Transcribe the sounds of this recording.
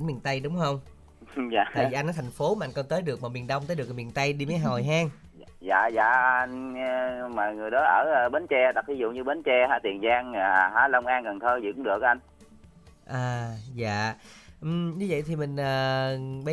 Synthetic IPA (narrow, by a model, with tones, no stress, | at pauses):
nmi˨˩ənt̪ə˧jɗʊ˨˦wŋ͡mhə˧wŋ͡m | a̰ː˧˨a̰ː˧˨˧i˨a˧ŋnɔ˨˦t̪ʰa˨˩ŋ̟fo˨˦maː˨ʔa˧jŋ̟kɔ˧˩t̪əː˨˦jɗɨ˨˩ək̚maː˨˩mi˨˩ənɗə˧wŋ͡mt̪əː˨˦jɗk̚mi˨˩nt̪ə˧jɗi˧məː˨˦jɦo˨˩jɦaː˧ŋ | za̰ː˧˨za̰ː˧˨a˧n˧ | maː˨˩ŋɨ˨˩əjɗɔ˨˦ʔəː˧˩˧ɓe˨˦nt͡ɕɛ˧t̪a˨˩k̚t̪i˨˦z̰ɲɨ˧ɓe˨˦nt͡ɕɛ˧haː˧˥t̪i˨˩ənzaː˧ŋlaː˨˩˨ɦaː˧˨˦lə˧wŋ͡mʔaː˧ŋɣə˨˩nt̪ʰəː˧zḭ˧˩kʊ˧˦ŋ͡mɗɨ˨˩k̚ʔa˧jŋ̟ | ʔaː˨˩za̰ː˧˨ | ʔ̩˨˩ɲɨ˧və̰˧˨jt̪ʰi˨˩mï˨˩ŋ̟ʔəː˨˩ɓə˨˦